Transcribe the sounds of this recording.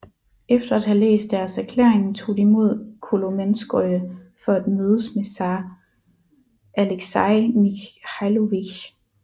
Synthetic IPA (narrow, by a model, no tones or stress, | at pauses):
efd̥ɐæd̥hælḛːsd̥æɐsæɐkʰlḛɐeŋn̩t͡sʰo̝̰ːd̥iimo̝ð̞̰ˠkʰo̝lomensɡ̥ɔəfɒ̽æd̥møːð̞ˠəsmesɑ | æleɡ̥sɑɪnihæloʋiɡ